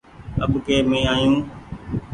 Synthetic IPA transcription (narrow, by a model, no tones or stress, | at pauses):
əɓʊkeːmẽːaːjũː